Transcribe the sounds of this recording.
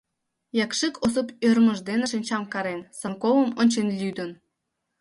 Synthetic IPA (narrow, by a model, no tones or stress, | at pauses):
jɑkʃikʰosəpørmə̆ʒd̪enĕʃinʲt͡ɕɑmkɑɾensɑŋkowəmonʲt͡ɕenlʲyd̪ə̆n